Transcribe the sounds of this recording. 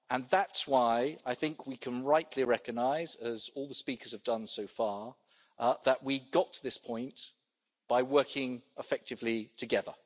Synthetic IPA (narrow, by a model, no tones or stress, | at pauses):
ə̃nðatswaɪaɪθɪ̃ŋkʰwikʰə̃nɹaɪʔˡliɹɛkəɡ̚naɪzəzɔːlˠðəspiˑkə˞z̥əvdʌ̃nsəʊfɑː | ðəʔwiɡɒtʰəðɪspʰɔ̃ɪ̃n | b̥aɪwɜˑkʰɪ̃ŋɪfɛk̚tɨvlitʰɨɡɛðə̰